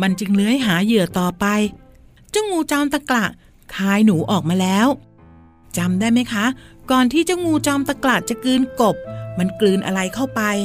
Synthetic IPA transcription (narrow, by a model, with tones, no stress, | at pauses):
ma˧nt͡ɕɯ˧ŋnɯ˦˥əjɦaː˩˦jɯ˨˩ɐt̪ɔː˨˩pa˧j | t͡ɕa˥˩wŋuː˧t͡ɕɔː˧mt̪a˧˩kla˨˩ʔ | kʰaː˧jnuː˩˦ʔɔː˨˩k̚maː˧lɛː˦˥w | t͡ɕa˧mdaː˥˩jma˦˥jkʰa˦˥kɔː˨˩nt̪ʰiː˥˩t͡ɕa˥˩ŋuː˧t͡ɕɔː˧mt̪a˧kla˨˩t͡ɕa˨˩kɯː˧nko˨˩p̚ma˧nklɯː˧nʔa̰˧ɾa˧jkʰa˥˩wpa˧j